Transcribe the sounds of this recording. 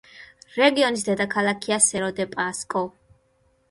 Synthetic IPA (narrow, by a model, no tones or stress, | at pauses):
ɾɛɡiɔnis̬d̪ɛd̪akʰalakʰiasɛɾɔd̪ɛpʼaskʼɔ